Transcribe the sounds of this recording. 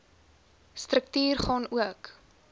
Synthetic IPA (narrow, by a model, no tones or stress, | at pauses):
strək̚tyːrχɑːnuək